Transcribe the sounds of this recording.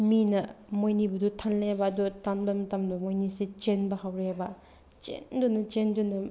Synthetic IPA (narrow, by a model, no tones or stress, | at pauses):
minɐmojnibud̪utʰanlebɐːd̪utʰanbɐmɐtɐmdumojniset͡ʃenbɐɦawɾebɐ | t͡ʃḛndunɐt͡ʃendunɐ